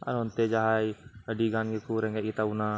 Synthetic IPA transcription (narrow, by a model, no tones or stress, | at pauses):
a̰ɾɦɔnt̪ɛd͡ʒaɦajəɖiɡanɡɛkuɾɛŋɡaɡit̪auna